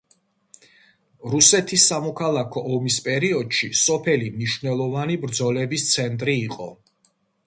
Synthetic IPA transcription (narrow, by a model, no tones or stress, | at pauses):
ɾusɛt̪ʰisːamɔkʰalˠakʰɔʔɔmispʼɛɾiɔd̪̥ʃisɔpʰɛlimniʃvnɛlˠɔvanibɾd̪zɔlɛbist̪sʰɛnt̪ʼɾiːqʼɔ̰